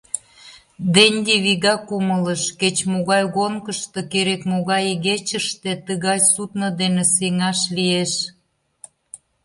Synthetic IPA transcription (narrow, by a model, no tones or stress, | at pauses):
d̪enʲɡeβiɣɑkumələʃket͡ɕmoɣɑjɣoŋkəʃt̪okeɾekmoɣɑjɣet͡ɕəʃt̪et̪əɣɑjsut̪nə̆d̪eneseŋɑʃlieʃ